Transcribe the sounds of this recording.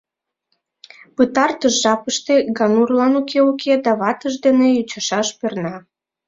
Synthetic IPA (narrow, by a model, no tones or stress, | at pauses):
pɨt̪ɑrt̪əʃʒɑpəʃt̪eɡɑnurlɑnukʰeukʰed̪ɑβɑt̪əʃd̪enejut͡ɕɑʃɑʃpernɑ